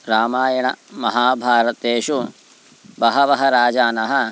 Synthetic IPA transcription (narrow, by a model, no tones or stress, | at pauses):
ɾaːmaːjɐɳɐmɐɦaːbʱaːɾɐt̪eːʃu | bɐɦɐʋɐɦɐɾaːd͡ʒaːnɐɦɐ